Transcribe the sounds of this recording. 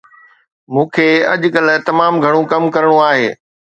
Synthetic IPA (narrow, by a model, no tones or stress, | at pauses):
mũːkʰeːɐ̰ʄkɐlt̪ɐmaːmɡʱɐɽ̃õkɐmkɐɾəɽ̃oaːɦeː